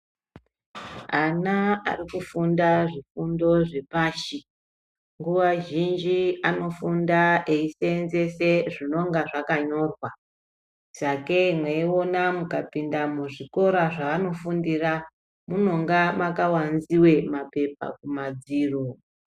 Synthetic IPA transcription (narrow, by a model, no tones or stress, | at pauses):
anaa̰rikufundaʐifundo̞ʐe̞paːʃi | ŋɡuwaʒind͡ʒiano̞fundaeisenze̞se̞ʐino̞ŋɡaʐakaɲo̞rwa | t͡ʃakemweio̞namukapindamuʐiko̞ɾaʐaːno̞fundira | muno̞ŋɡamakawanziwe̞mape̞pa̰kumad͡ziːro